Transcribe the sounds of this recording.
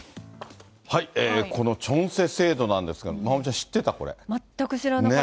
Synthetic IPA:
haieːkʰo̞no̞t͡ɕõ̞ɰ̃se̞se̞ːd̪o̞nãnd̪esɨɡa̰mamot͡ɕãɕi̥t̪ːe̞t̪ako̞̰ɾḛmat̪ːakɯ̟ɕiɾane

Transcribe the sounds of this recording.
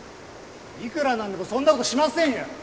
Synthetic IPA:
ikɯ̟ɾanãnd̪emosõ̞nːako̞t̪oɕimasẽ̞ɰ̃jã

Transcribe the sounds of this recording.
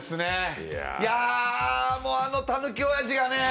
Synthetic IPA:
sɨnḛ | ja | moːano̞t̪anɯkʲiojaʑiɡane

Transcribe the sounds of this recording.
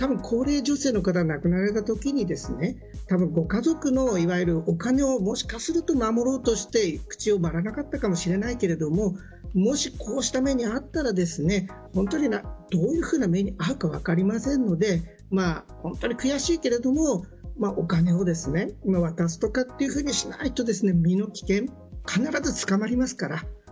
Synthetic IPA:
t̪abɯ̟̃ŋkʰo̞ːɾe̞ːʑo̞se̞ːno̞kat̪̬aɡnakɯ̟naɾe̞t̪at̪o̞kʲiɲ̟id̪e̞sɨne̞ | t̪abɯ̟̃ŋɡo̞kazo̞kɯ̟no̞iβajɨɾɯ̟okane̞o̞mo̞ɕi̥kasɨɾɯ̟t̪o̞mamo̞ɾo̞ːt̪o̞ɕi̥t̪e̞kɯ̟̥t͡ɕio̞maɾanakat̪ːakamo̞ɕiɾe̞naike̞ɾe̞d̪o̞mo̞ | mo̞ɕikʰo̞ːɕi̥t̪ame̞ɲ̟iat̪ːaɾad̪e̞sɨne̞ | hõ̞nt̪o̞ɲ̟inad̪̥o̞ːjɯ̟ɸɯ̟ːname̞ɲ̟iaɯ̟kaβa̰kaɾʲimasẽ̞nːo̞d̪e̞ | ma | hõ̞nt̪o̞ɲ̟ikɯ̟jaɕiːke̞ɾe̞d̪o̞mo̞maʔo̞kane̞o̞d̪e̞sɨne̞imaβ̞at̪as̬ɨ̥t̪o̞kat̪ːe̞jɯ̟ɸɯ̟ːɲ̟iɕina̰it̪o̞d̪e̞sɨne̞mʲino̞kʲi̥kẽ̞ŋ | kʰanaɾazɨt͡sɨ̥kamaɾʲimasɨ̥kaɾa

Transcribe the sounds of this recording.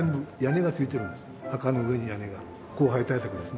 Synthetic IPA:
ẽmbɯjane̞ɡat͡sɨit̪e̞ɾɯ̃nd̪es | hakanoɯeɲ̟ijane̞ɡa | ko̞ːɦait̪aisakɯ̟d̪e̞sɨne

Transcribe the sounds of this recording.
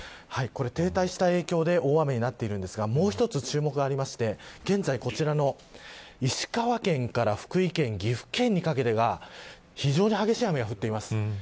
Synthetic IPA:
haiko̞ɾe̞t̪e̞ːt̪aiɕi̥t̪ae̞ːkʲo̞ːd̪e̞ʔo̞ːβame̞ɲ̟inat̪ːe̞iɾɯ̟̃nd̪e̞sɨɡamo̞ːçi̥t̪o̞t͡sɨt͡ɕɨːmo̞kɯɡaːɾʲimaɕi̥t̪e̞ɡ̥ẽ̞nd͡zaiko̞t͡ɕiɾano̞ | iɕi̥kaβakẽ̞ŋkaɾaɸɯ̟̥kɯ̟ikẽ̞ŋɡʲiɸɯ̟̥kẽ̞ɲ̟ːikake̞t̪e̞ɡa | çiʑo̞ːɲ̟ihaɡe̞ɕiːhame̞ɡaɸɯ̟t̪ːe̞imasɨ̥

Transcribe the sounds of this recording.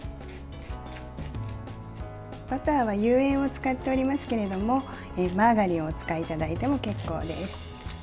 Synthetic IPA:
pat̪aːβajɯ̟ːẽ̞ɰ̃o̞t͡sɨ̥kat̪ːe̞oɾʲimasɨ̥ke̞ɾe̞d̪o̞mo̞ | emaɡaɾʲiot͡sɨ̥kait̪ad̪ait̪e̞mo̞ke̞kːo̞̰ːd̪e̞sɨ̥

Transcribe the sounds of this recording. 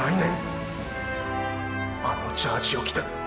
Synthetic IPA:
ainẽŋ | amot͡ɕaːt͡ɕiokʲi̥t̪a

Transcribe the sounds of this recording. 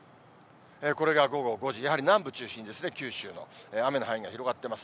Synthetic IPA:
eːko̞ɾe̞ɡaɡo̞ɡo̞ɡo̞ʑijaɦaɾʲinãmbɯ̟t͡ɕɨːɕĩɲ̟id̪e̞sɨnekʲɨːɕɨːno̞̰eːame̞noɦaĩŋɡaçʲiɾo̞ɡat̪ːe̞masɨ̥

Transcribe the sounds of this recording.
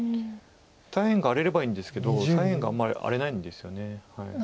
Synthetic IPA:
t̪aihẽŋɡaːɾe̞ɾe̞baĩːnd̪e̞sɨ̥ke̞d̪o̞t̪aihẽ̞ŋɡaa̰mːaɾʲḭʔa̰ɾe̞naĩnd̪e̞sɨ̥jo̞ne̞hai

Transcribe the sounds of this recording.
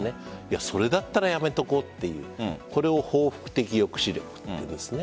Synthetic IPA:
neiaso̞ɾe̞d̪at̪ːaɾajame̞t̪o̞ko̞t̪ːe̞jɯ̟̰ːko̞ɾe̞o̞ho̞ːɸɯ̟̥kɯ̟̥t̪e̞kʲijo̞kɯ̟̥ɕiɾʲjokɯ̥t̪ːeesɨne

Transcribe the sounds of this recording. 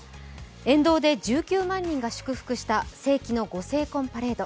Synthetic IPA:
ẽ̞nd̪o̞ːd̪e̞d͡ʑɨːkʲɨːmãɲ̟ːĩŋɡaɕɨ̥kɯ̟ɸɯ̥kɯ̟ɕi̥t̪ase̞ːkʲino̞ɡo̞se̞ːkõ̞mpaɾe̞ːd̪o

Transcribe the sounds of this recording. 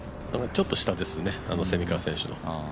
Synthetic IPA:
at͡ɕo̞t̪ːo̞ɕi̥t̪ad̪e̞sɨnea̰no̞se̞mʲikasẽ̞ɕɨno̞̰

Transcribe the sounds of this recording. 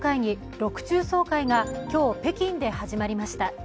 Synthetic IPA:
kaiɲ̟i | ɾo̞kɯ̟̥t͡ɕɨːso̞ːkaiɡakʲo̞ːpe̞kʲĩnd̪e̞haʑimaɾʲimaɕi̥t̪a

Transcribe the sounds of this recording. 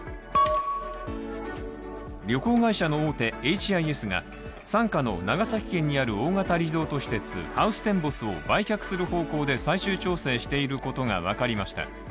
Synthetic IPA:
ɾʲo̞ko̞ːɡaiɕano̞oːt̪e̞et͡ɕiaie̞sɨŋa̰ | sãŋkano̞̰naɡasakʲi̥kẽ̞ɲ̟ːiaɾɯ̟o̞ːŋat̪aɾʲizo̞ːt̪o̞ɕi̥t̪e̞t͡sɨ̰haɯ̟sɨ̥t̪ẽ̞mbo̞sɨo̞̰baikʲakɯ̟̥sɨɾɯ̟ho̞ːko̞ːd̪e̞saiɕɨːt͡ɕo̞ːse̞ːɕi̥t̪e̞iɾɯ̟ko̞t̪o̞ŋa̰β̞a̰kaɾʲimaɕi̥t̪a̰

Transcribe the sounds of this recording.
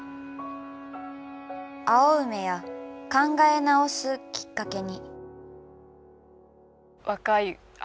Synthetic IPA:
aoɯ̟me̞jakãŋɡae̞nao̞sɨkʲi̥kːake̞ɲ̟i | βakai

